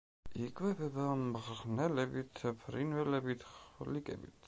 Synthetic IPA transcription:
ikʰʼvɛbɛbamʁnɛlɛbit̪ʰpʰɾinvɛlɛbit̪ʰχlikʼɛ̰bit̪ʰ

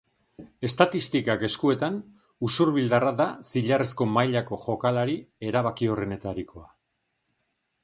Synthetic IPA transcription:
e̞st̪at̪ist̪ikake̞skue̞t̪an | usuɾβild̪araðasiʎaresko̞majʎako̞ʝo̞kalaɾie̞ɾaβ̞akio̞re̞ne̞t̪aɾiko̞a

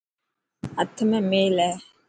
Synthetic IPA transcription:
atɪmɛmelɛ

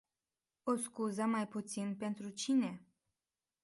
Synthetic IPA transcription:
oskuzəmajput̪sinpe̞nt̪ɾut͡ʃine̞

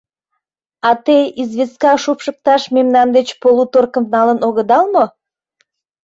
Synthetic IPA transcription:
ɑt̪eizβeskɑʃupʃək̚t̪ɑʃmemnɑnd̪et͡ɕpolut̪orkə̆mnɑlənoɣəd̪ɑlno

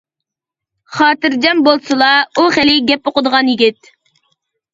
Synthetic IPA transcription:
χɑːt̪ɨɾd͡ʒɛmbolˠsɨlˠɑuχɪlɪɡʲɛpoqəd̪əʁɑnjiɡʲit̪̚

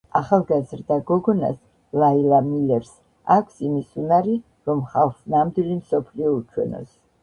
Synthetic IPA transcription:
aχalˠɡazɾd̪aɡɔɡɔna̰s | lailamilɛɾs | akʷʰsimisunaɾi | ɾɔmχasnamd̪wilimsɔpʰliɔut͡ʃʰwɛ̰nɔ̰s

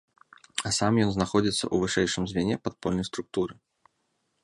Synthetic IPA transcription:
asamjɔnznaxɔd͡zʲit̪sːɐ̰ʔuvɨʂɛjʂɨmzʲvʲɛnʲɛpat̪̚pɔlʲnɐjst̪ɾʊk̚t̪uɾɨ

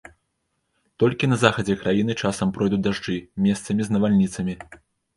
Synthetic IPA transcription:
t̪ɔlʲkʲinɐzaxɐd͡zʲɛkɾajin̪ɨt͡ʂasɐmpɾɔjd̪ud̪aʐd͡ʐɨmʲɛst̪sɐmʲiznɐvalʲnʲit̪sɐmʲi

